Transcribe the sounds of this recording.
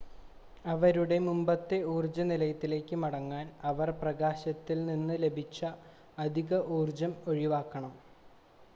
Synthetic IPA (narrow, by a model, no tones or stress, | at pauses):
ɐʋɐɾuɽe̞mumbɐt̪ːe̞uːrd͡ʑɐnilɐjɐt̪ːile̞ːkʲːɨmɐɽɐŋːaːnɐʋɐrprɐɣaːɕɐt̪ːilninːɨle̞bʱit͡ɕːɐː | d̪ʱiɣɐʔuːrd͡ʑɐmo̞ɻiʋaːkːɐɳɐm